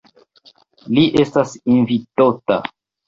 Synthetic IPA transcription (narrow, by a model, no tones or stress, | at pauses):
liʔestasinvitota̰